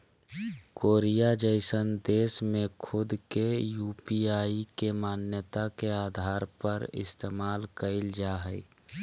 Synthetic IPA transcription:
koːɾijad͡ʒəɪsənd̪eːsmẽkʰʊd̪kejuːpiaːikemaːnjət̪akeaːd̪ʱaːɾpəɾɪ̰st̪eːmaːlkəɪld͡ʒaɦəɪ

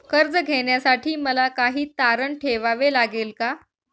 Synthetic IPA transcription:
kəɾd͡zəɡʱeɳjasaʈiːməlakaɦiːt̪aɾəɳʈʰeʋaʋelaɡeːlka

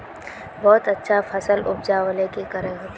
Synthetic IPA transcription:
bɔːt̪ɐtːʃʰafʰɐsəlʊpd͡ʒaːwəlẽkikəɾẽɦt̪

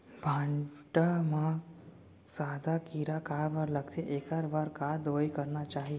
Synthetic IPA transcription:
bʱãɳʈamã | sad̪ʱakiɾakapəɾləɡt̪ʰeʔekaɾbaɾkad̪ojkəɾnat͡ʃaɦi

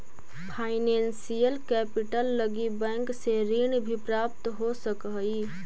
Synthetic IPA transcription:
pʰaːɪnɛnsijəlkɛpiʈəlːəɡibɛ̃ːŋkseɾinbʱipɾap̚t̪ɦosəkəi

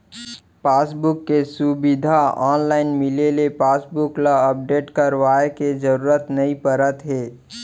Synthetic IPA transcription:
paːsbʊkːesubɪd̪ʱaɔ̰ːnlaːɪnmɪlelepaːsbʊklaəp̚ɖeːʈkɐɾʋaːeked͡ʒəɾuːɾət̪nɐĩpəɾət̪ɦɛː

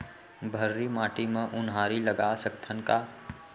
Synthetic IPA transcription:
bʱəɾːimaːʈimẽʔʊnɦaːɾiləɡaːsəkt̪ʰənka

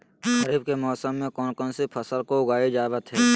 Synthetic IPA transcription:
ɦəɾiːb̚kemɔːsəmːẽkɔːnkɔːnsipʰəsəlkoʊɡaːed͡ʒaːʋət̪ɦɛː

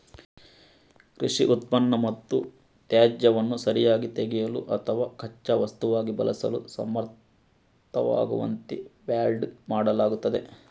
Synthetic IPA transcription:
kɾiʂiʔut̪̚pɐnːɐmɐt̪ːu | t̪jaːd͡ʒjɐʋɐnːusɐɾijaːɡit̪eɡɛjɐlṵʔɐt̪ʰɐʋaːkʰɐt͡ʃːɐʋɐst̪uʋaːɡibɐ̰lɐsɐlusɐ̰mɐɾt̪ | t̪ʰɐʋa̰ːɡṵʋɐ̰nt̪iʋjaːlɖmaːɽɐlaːɡut̪ːɐd̪e̞

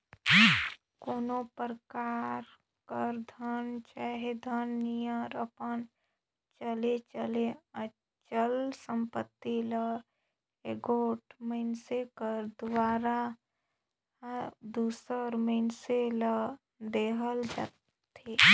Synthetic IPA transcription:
koːnopɾəkaːɾ | kəɾd̪ʱənt͡ʃaːɦed̪ʱənːijəɾəpən | t͡ʃəlet͡ʃəleə | t͡ʃəlsə̃mpət̪ːilə | eɡoːʈməɪnsekəɾd̪waːɾa | d̪usəɾməɪnselə | d̪eːɦəld͡ʒa̰ːt̪ʰ | e

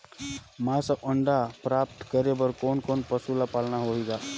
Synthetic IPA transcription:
masaʔəɳɖapɾap̚t̪kəɾebəɾkoːnkonpəsulapalnaɦoiɡa

